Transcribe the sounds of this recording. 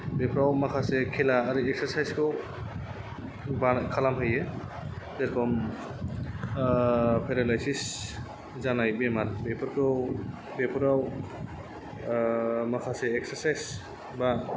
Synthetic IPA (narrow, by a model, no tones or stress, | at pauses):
bɛpʰɾawmakʰasɛkʰɛlaːɾiɛksaɾsajskɔw | bakʰalamɦɯjɛ | tɛɾkʰɔm | pʰeɾalajsis | zanajbɛmaɾbɛpʰɔɾkɔw | bepʰɔɾaw | makʰasɛːksaɾsajs | ba